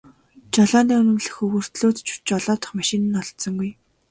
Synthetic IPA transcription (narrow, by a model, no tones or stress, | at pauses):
t͡ɕaɮaːniːɵnɵ̆mɮɘ̆xɵɣɵ̆r̥t̪ɮoːt̪t͡ɕʰu̥t͡ɕɔɮɔːt̪ɞ̥̆χmaʃɪnɘ̆nɔɮt̪sɞ̆ŋɡuj